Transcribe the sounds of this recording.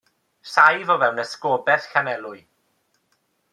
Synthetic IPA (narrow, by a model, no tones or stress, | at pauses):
sajvɔvɛwnəskɔːbɛθkanɛlˠʊɨ